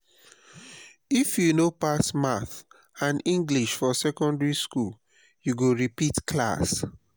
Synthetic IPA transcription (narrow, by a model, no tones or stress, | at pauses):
ifjunopasmaθ | ãnĩŋɡliʃfɔsɛkɔ̃ndɹiskul | juɡoɹipitkla̰s